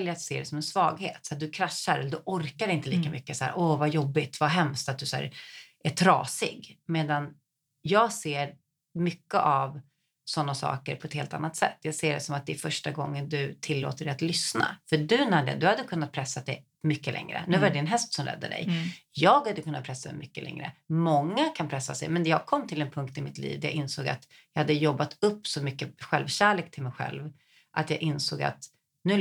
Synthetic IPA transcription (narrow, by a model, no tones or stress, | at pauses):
ljəɾat̪seːd̪ɛsɔmɛnsvɑ̰ːɡhḛːt̪sad̪ɵkʰɾaʂːaɾɛlːəd̪ɵʔɔɾkaɾɪnt̪əliːkamʏkːəsæ̰ːɾʔɔvajɔbːɪt̪vaɦɛmst̪at̪̚d̪ɵsæ̰ːɾʔæʈʰɾɑ̰ːsɪ̰ɡmeːd̪an | jɑːɡseːɾ | mʏkːəʔav | sɔnːasɑ̰ːkə̰ɾpʰɔɛt̪heːlt̪a̰nːat̪sɛ̰t̪ːjɑːɡseːɖɛsɔmat̪̚d̪ɛɛɾfœʂʈaɡɔŋːənd̪ɵt̪ʰɪlːo̰ːt̪əɾɛat̪lʏsna̰fœɖɵnæɖ̪ɛ̰d̪ɵhad̪ːəkʰɵnːat̪̚pʰɾɛsːat̪d̪ɛj | mʏkːəlʔɛ̰ŋɾə̰nʉ̟ːvaɾɛd̪ɪnɦɛst̪sɔmɾɛ̰d̪ːə̰ɖɛ̰jjɑːɡhad̪ːəkʰɵnːat̪̚pʰɾɛsːad̪ɛ̰mʔʏkːəlɛ̰ŋɾə̰mɔŋːakʰanpʰɾɛsːasɛjmɛnd̪ɛjɑːɡ̚kʰɔmːt̪ʰɪlɛnpʰɵŋk̚t̪ɪmɪt̪lḭːvd̪æja̰ːʔɪnsoːɡa̰t̪ | jɑhad̪ːəjɔbːat̪ɵpːsɔmʏkːəɧɛlvɕæːɭeːk̚t̪ʰɪlmɛjɧɛ̰lv | ʔat̪jɑːʔɪnsoːɡa̰t̪ | nʉ̟ː